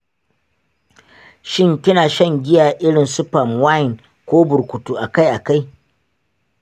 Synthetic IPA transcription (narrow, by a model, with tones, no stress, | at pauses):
ʃɪ˦ŋkʲɪ˦naː˨ʃɐ˦˨ŋɡʲɪ˦jaː˨ʔɪ˦ɽɪ˨nsu˦pa˨mwa˦jɪ˨n | kʷoː˦bʊ˨ɾkʷʊ˨tu˦ʔa˨ka˦jʔa˨ka˦j